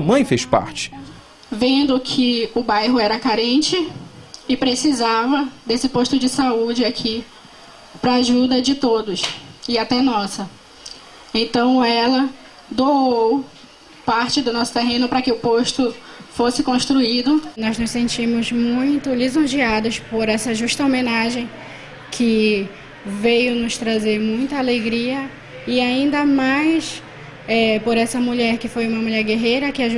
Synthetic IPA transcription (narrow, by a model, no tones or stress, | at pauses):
ɐmɐ̃j̃feʃpa̰ɾt͡ʃɪ̥ | vẽnd̪ʊkʰɪʊbajɦʊɛɾɐkaɾẽt͡ʃɪɪpɾesizavɐd̪esɪpoʃt̪ʊd͡ʒɪsaud͡ʒɪakʰi | pɾɐːʒud̪ɐd͡ʒɪt̪od̪ʊsɪat̪ɛnɔsɐ | ẽt̪ɐ̃w̃ɛlɐ | d̪oow | paɾt͡ʃɪd̪ʊnɔsʊ̥t̪eɦẽnʊpɾɐkɪʊpoʃt̪ʊ | fosɪkõʃt̪ɾuid̪ʊnɔznʊssẽnt͡ʃĩmʊzmũj̃t̪ʊlizõʒiad̪ʊspoɾɛsɐʒuʃt̪ɐomẽnaʒẽj̃ | kʰɪ | vejʊnʊst̪ɾazeɾmũj̃t̪ɐaleɡɾiɐ | ɪaĩnd̪ɐmajs | ɛpoɾɛsɐmuʎɛɾkɪfojũmɐmuʎɛɾɡeɦejɾɐkɪaʒ